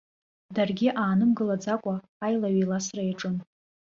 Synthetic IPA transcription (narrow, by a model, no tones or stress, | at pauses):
darɡʲiʔaːnɨmɡɨlad͡zakʷʼaː | jlaɥijlasrajaʈ͡ʂʼɨn